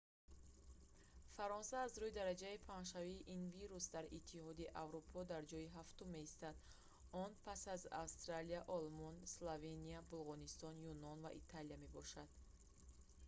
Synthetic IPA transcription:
faɾɔnsaːzɾuid̪aɾad͡ʒaipʰanʃ̬aviːʔinviɾusd̪aɾit̪ʰːihɔd̪iʔavɾupʰɔd̪aɾd͡ʒɔiɦaft̪umːe̞ist̪ad̪ | ɔnpʰasaza̰wst̪ɾaliaʔɔlmɔnslove̞niabulˠʁɔnist̪ɔnjunɔnva̰ʔḭt̪ʰalijame̞bɔʃad̪̥

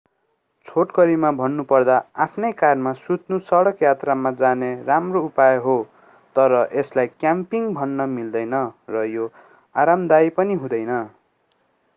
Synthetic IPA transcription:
t͡sʰoʈkʌɾimabʱʌnːupʌrd̪aapʰnʌjkarmasut̪nusʌɽʌkjat̪ramad͡zaneramroupajoɦo | t̪ʌɾʌʔeslajkjampiŋbʱʌnːʌmild̪ʌjnʌrʌjo | aɾamd̪ajpʌniɦũd̪ʌjnʌ

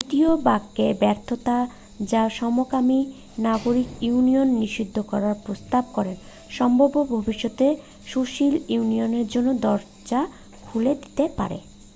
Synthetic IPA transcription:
d̪it̪iobaɡːebɛɾt̪ʰot̪a | d͡ʑaʃɔmokami | naɡoɾikuunionːiʃid̪ʱːokɔɾaɾpɾost̪ab̚kɔɾen | ʃɔmbʱobobʱobiʃːot̪e | ʃuʃiluunioneɾd͡ʑonːod̪ɔɾ | d͡ʑa | kʰuled̪i̥t̪epa̰ɾḛ

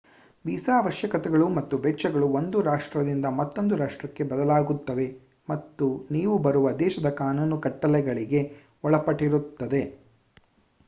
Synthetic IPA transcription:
biːsaːʋɐʃjɐkɐt̪ɛɡɐɭumɐt̪ːuʋɛt͡ʃːɐɡɐɭuo̞nd̪uɾaːʂʈɾɐd̪ind̪ɐmɐt̪ːo̞nd̪uɾaːʂʈɾɐkːe̞bɐd̪ɐlaːɡut̪ːɐʋe̞ | mɐt̪ːuniːʋubɐɾuʋɐd̪ɛːʃɐd̪ɐkaːnuːnukɐʈːɐlɛɡɐɭiɡe̞ | ɔɭɐpɐʈiɾut̪ːɐd̪e̞

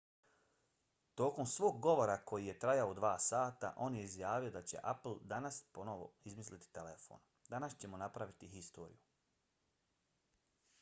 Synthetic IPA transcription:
t̪o̞ːko̞msʋoːɡɡo̞ʋo̞ɾako̞jije̞t̪ɾajaod̪ʋaːsaːt̪a̰ʔo̞ːnje̞izjaːʋiod̪at͡ɕe̞̰ʔapl̩ˠd̪anaspo̞noʋo̞̰izmislit̪i̥t̪elefo̞̰ːn | d̪anast͡ɕe̞mo̞napɾaʋit̪iɦist̪o̞ːɾḭju

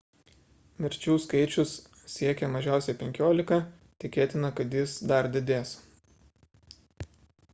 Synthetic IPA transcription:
mʲɪɾʲt͡ʃʲuːskɐɪt͡ʃʲʊs | sʲiɛkʲɛmɐʒʲæˑʊsʲɛɪpʲɛŋʲkʲoːlʲɪkɐ | t̪ʲɪkʲeːt̪ʲɪnɐkɐt̪jɪsd̪ɐɾd̪ʲɪd̪ʲeːs

